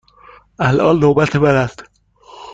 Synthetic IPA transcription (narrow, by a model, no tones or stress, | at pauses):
ʔælʔɒːlːobæt̪ʰebæɾæst̪